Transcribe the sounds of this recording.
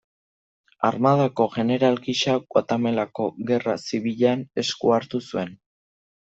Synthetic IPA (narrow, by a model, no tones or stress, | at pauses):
aɾmaðako̞ɣe̞ne̞ɾalɡiʃaɣwat̪ame̞lako̞ɣe̞rasiβiʎane̞skuaɾt̪usue̞n